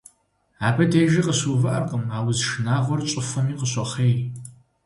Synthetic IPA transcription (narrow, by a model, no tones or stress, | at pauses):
aːbɐdʰeːʒɪqʼəɕuːvɨʔɐrqʼəmaːwʊzʂnaːʁʷɔrt͡ʃʷʼɪfɐmiːqʼəɕɐχeːj